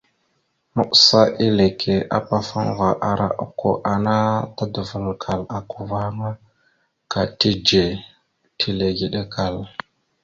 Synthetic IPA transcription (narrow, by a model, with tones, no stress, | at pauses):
mə˦ɓsa˦ʔi˦le˨kʰe˨a̰˨pa˦fu˦ŋ˦ɣa˨ʔa˨ɾa̰˨ʔṵ˨ko˨ʔa˨na˦ta˦du˨və˨lkʰa˨la˨ku˨va˦ŋa˦ | ka˨ti˦d͡ʒe˨ | tʰi˦le˨ɡi˨ɗe˦kʰa˨l